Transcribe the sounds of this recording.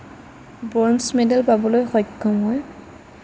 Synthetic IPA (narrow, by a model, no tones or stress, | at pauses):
bɔnsmɛdɛlpabɔlojxɔjkʰːɔmɦɔj